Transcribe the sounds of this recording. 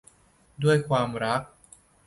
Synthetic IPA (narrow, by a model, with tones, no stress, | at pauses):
du˥˩əjkʰwaː˧mɾa˦˥k̚